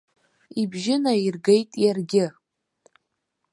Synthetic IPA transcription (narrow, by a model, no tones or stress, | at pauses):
ibʒɪnairɡejtʼjarɡʲɪ